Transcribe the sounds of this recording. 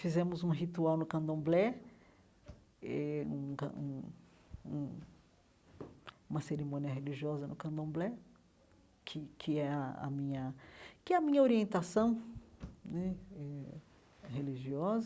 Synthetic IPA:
fizẽmʊzũɦit̪uawnʊkɐ̃d̪õblɛ | ɛũkɐ̰̃ũ | ũ | ũmɐseɾimõniɐɦeliʒiɔzɐnʊkɐ̃d̪õblɛ | kʰɪkʰɪɛɐɐ̰mĩɲɐkɪɛɐmĩɲɐoɾiẽnt̪asɐ̃w̃ | nɛɛ | heliʒiɔzɐ

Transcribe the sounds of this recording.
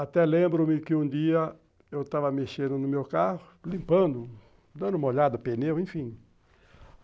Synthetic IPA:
at̪ɛlẽmbɾomɪkɪũd̪iɐ | ewt̪avɐmeʃẽnd̪ʊnʊmewkahʊlĩmpɐ̃nd̪ʊ | d̪ɐ̃nd̪ʊumɐoʎad̪ɐpenewẽfĩ

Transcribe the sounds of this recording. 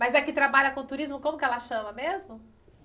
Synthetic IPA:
mɐjzɛkɪt̪ɾabaʎɐkõt̪uɾizmʊkõmʊkɪɛlɐʃɐ̃mɐmezmʊ

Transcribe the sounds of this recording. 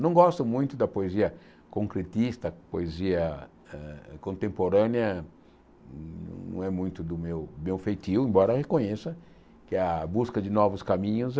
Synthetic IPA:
nɐ̃w̃ɡɔst̪ʊmũj̃t̪ʊd̪ɐpoeziɐ | kõŋkɾet̪ist̪ɐpoeziɐ | ɛkõnt̪ẽmpoɾɐ̃njɐ | ñ̰nɐ̰̃w̃ɛmũj̃t̪ʊd̪ʊmewbẽwfejt̪iwẽmbɔɾɐʁekõɲesɐ | kɪɐbuskɐd͡ʒ̪ɪnɔvʊskamĩɲʊz

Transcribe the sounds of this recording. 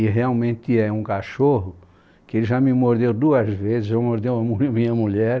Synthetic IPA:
ɪɦeawmẽnt̪ɪɛũkaʃoɦʊ | kɪelɪʒamɪmoɾd̪ewd̪uɐzvezɪszewmoɾd̪ewɐmuɐmĩɲɐmuʎɛɾ

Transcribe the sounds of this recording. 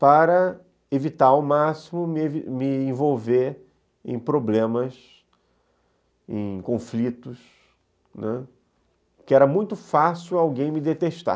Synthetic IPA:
paɾɐ | evit̪aɾʊmasimʊmɪvimɪẽvowve | ḛ̃j̃pɾoblẽmɐs | ḛ̃j̃kõflit̪ʊs | nɛ | kɪɛɾɐmũj̃t̪ʊfasiɪwawɡẽj̃mɪd̪et̪eʃt̪a̰

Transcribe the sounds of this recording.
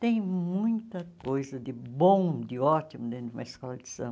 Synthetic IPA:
t̪ẽj̃mũj̃t̪ɐkojzɐd̪ɪbõw̃d̪ɪɔt̪imʊd̪ẽnũmɐeskɔlɐd̪ɪsɐ̰̃

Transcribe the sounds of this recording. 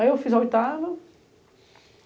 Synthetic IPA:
ewfizɐojt̪avɐ

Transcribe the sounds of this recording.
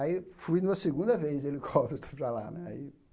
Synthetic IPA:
aifujnũmɐseɡũnd̪ɐvezd̪elikʰɔbit̪ɐpɾalanɛa̰i

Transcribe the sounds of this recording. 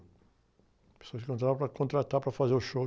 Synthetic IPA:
pe̥soɐskɪkõt̪̬ɾaɾ̃pɾɐkõnt̪ɾat̪apɾɐfazeɾʊʃo

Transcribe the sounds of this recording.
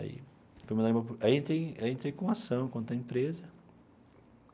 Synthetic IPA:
a̰ḭ | fojmɐ̃d̪ɐĩmɐpaiẽnt̪ɾejẽnt̪ɾejkõasɐ̃w̃kwɐ̃nt̪ɐẽmpɾezɐ

